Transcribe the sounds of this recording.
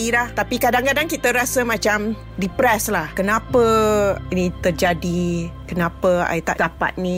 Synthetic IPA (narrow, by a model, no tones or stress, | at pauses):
ilaht̪apikadaŋkadaŋkit̪əɾasəmãt͡ʃam | ripɾɛslahkənãpəinit̪ərd͡ʒadikənãpəa̰jt̪a̰ʔt̪apa̰t̪̚nĩ